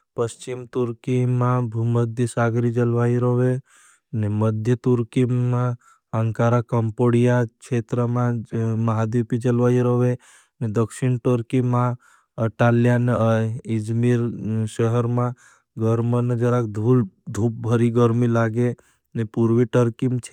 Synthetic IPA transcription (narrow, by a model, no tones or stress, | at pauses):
pəst͡ʃimt̪uɾkimãbʱuməd̪ʱjəsaɡɾid͡ʒəlʋaiɾəʋe | neməd̪ʱjət̪uɾkimã | əŋkaɾakəmpoɽijakt͡ʃʰet̪ɾəmãməɦad̪upid͡ʒəlʋaiɾəʋe | ned̪əkʃiɳʈəɾkimã | əʈaljaneid͡ʒmiɾʃəɦəɾmã | ɡəɾməned͡ʒəɾakd̪ʱuld̪ʱup̚bʱəɾiɡəɾmilaɡe | nepuɾʋiʈəɾkimt͡ʃʰe